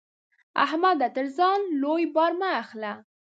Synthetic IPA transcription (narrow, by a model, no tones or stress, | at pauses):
a̰hmad̪at̪əɾzɑnlojbɑɾmaːxla